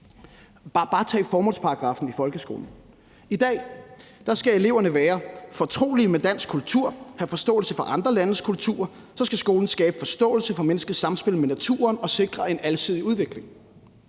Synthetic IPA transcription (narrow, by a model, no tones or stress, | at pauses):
b̥ɑ̈ːt͡sʰɛ̰ːfɒːmɔ̽l̰spʰɑ̈ʁɑ̈ɡ̥ʁɑ̈ːfn̩ifɒ̽lɡ̥əsɡ̥o̝̰ːln̩ | id̥ɛ̰ːd̥ɑ̈sɡ̥æe̝le̝ʊ̰ɐnəʋæːɐfɒ̽t͡sʰʁo̝̰ːlimed̥æn̰sɡ̥kʰult͡sʰuɐ̰hæfɒ̽sd̥ɔ̰̽ːl̩səfɒ̽ʔɑ̈nd̥ʁɐlænəskʰult͡sʰṵːɐ | sɒ̽sɡ̥æsɡ̥o̝ːln̩sɡ̥ɛːb̥əfɒ̽sd̥ɔ̰̽ːl̩səfɒ̽menəsɡ̥əð̩ˠsɑ̈msb̥e̝l̰menæt͡sʰṵːɐnɒ̽se̝ɡ̥ʁɐe̝nælsið̞̰ˠiuð̞ˠʋe̝ɡ̥le̝ŋ